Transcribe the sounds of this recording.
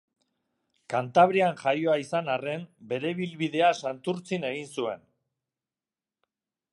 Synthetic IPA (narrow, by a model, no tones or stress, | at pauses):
kant̪aβ̞ɾianʝajo̞aisanare̞mbe̞ɾe̞βilβiðe̞asant̪uɾt͡sine̞ɣinsue̞̰n